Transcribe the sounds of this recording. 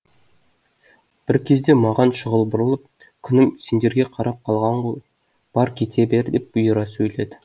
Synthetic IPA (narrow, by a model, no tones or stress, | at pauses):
b̥ɪɾkʲʰe̞zd̪e̞mɑʁɑnʃəʁəlˠbʊɾəlˠəp̚ | kʲʰʏnɪmse̞nd̪e̞ɾɡʲe̞qʰɑɾɑp̚qʰɑlˠʁɑɴoj | b̥ɑɾkʲʰe̞t̪ʰe̞beɾd̪ep̚bʊjəɾɑsɵjle̞d̪ɪ̥